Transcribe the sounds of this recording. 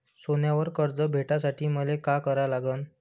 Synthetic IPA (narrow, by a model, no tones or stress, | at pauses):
sonjaʋəɾkəɾd͡zəbʱeʈasaʈiːməlekakəɾalaɡən